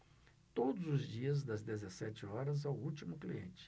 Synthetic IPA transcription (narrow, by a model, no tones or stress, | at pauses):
t̪od̪ʊzʊzd͡ʒiɐzd̪ɐzd̪ezesɛt͡ʃɪɔɾɐzawut͡ʃimʊkliḛ̃nt͡ʃɪ̥